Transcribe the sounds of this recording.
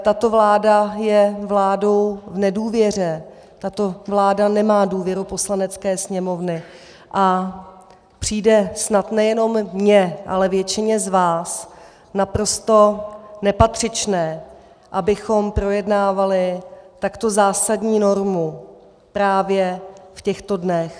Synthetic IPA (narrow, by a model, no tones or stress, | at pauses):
t̪at̪o̞vlaːdajɛvlaːdo̞wvnɛduːvjɛr̝ɛ | t̪at̪o̞vlaːdanɛmaːduːvjɛɾupo̞slanɛt͡skɛːsɲɛmo̞vnɪ | ʔa | pr̝̥iːdɛsnat̪nɛjɛno̞mːɲɛʔa̰lɛvjɛt͡ʃɪɲɛzvaːs | napɾo̞st̪o̞nɛpat̪r̥ɪt͡ʃnɛː | ʔabɪxo̞mpɾo̞jɛdnaːvalɪt̪akt̪o̞zaːsadɲiːno̞ɾmu | pɾaːvjɛfcɛxt̪o̞dnɛx